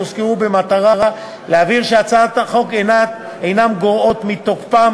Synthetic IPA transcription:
uskeubemat̪aʁaʁa | leaviʁʃeat͡sat̪aχo̞kenat̪ | ejnamɡoʁo̞t̪mit̪okpam

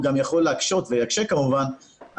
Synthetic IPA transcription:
ɡamjaχo̞lːeakʃo̞t̪vejakʃekamuvan | a

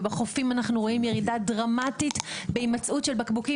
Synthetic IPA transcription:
beχo̞fimanaχnuʁo̞imjeʁidadʁamatitbeimat͡sʔutʃelbakbuki

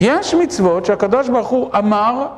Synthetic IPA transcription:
jeʃmit͡svotʃeakad̪oʃbaʁχuʔamaʁ

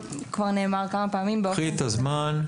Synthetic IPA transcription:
kvaʁne̞ːmaʁkamapaːmimbeit̪azman

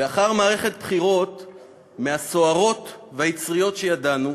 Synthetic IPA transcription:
veaχaʁmaːʁe̞χe̞t̪̚pχiʁo̞t̪ | measo̞aʁo̞t̪veajit͡sʁijo̞tʃejadanu

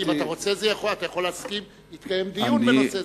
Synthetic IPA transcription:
imataʁo̞t͡se̞zejaχolat̪ajaχo̞leːskim | it̪kaje̞md̪ijunbenose

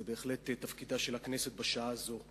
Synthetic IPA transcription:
ebe̞ːχle̞t̪etːafkidaʃelhakne̞se̞t̪̚baʃaaːzo̞

